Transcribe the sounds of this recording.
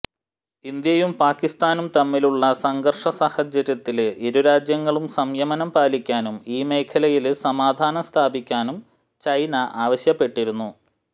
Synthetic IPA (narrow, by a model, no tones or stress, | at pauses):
ind̪jɐjumpaːkːist̪aːnumt̪ɐmːiluɭːɐsɐŋɡɐrʂɐsaːhɐd͡ʑjɐɾjɐt̪ːileɾuɾaːd͡ʑjɐŋːɐɭumsɐmjɐmɐnɐmpaːlikʲːaːnumiːme̞ːkʰɐlɐjilsɐmaːd̪ʱaːnɐst̪ʰaːbikʲːaːnum | t͡ɕɐjnɐʔaːʋɐɕjɐpːe̞ʈːiɾunːu